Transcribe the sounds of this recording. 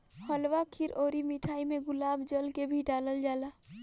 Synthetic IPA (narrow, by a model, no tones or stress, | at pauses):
həlwakʰiɾoːɾimiʈʰaːimẽɡʊlaːbd͡ʒəlkebʱiɖaːləld͡ʒaːla